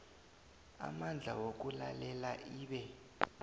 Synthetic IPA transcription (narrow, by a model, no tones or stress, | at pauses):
a̰mand͡ɮʱawok̬ulalɛlaʔiːɓɛ